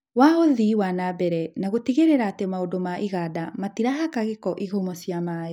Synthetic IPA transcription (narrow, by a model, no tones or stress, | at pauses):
waoðiwanabɛɾɛnaɣotiɣeɾeɾaːtemaodomaʔiɣadamatiɾaɦakaɣekɔʔiɣomɔsiamaːɛ